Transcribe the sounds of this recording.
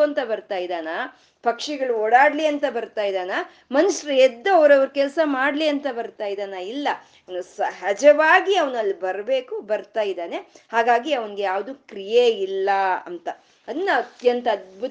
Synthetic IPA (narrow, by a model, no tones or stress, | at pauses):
ɐnt̪ɐbɐɾt̪aːjid̪aːnaː | pɐkʂiɡɐɭuoːɽaːɽliɐnt̪ɐbɐɾt̪aːjid̪aːnaː | mɐnuʂɐɾɐɛd̪ːuɐʋɐɾɐʋɐɾukɛlsɐmaːɽliɐnt̪ɐbɐɾt̪aːjd̪aːnailːɐ | ɐʋɐnusɐɦɐd͡ʒɐʋaːɡiɐʋɐnɐlːibɐɾbe̞ːkubɐɾt̪aːjid̪aːne̞haːɡaːɡiɐʋɐniɡe̞jaːʋd̪ukɾijeilːɐɐ̰nt̪ɐ | ɐnːɐɐt̪jɐnt̪ɐːd̪̚bʱu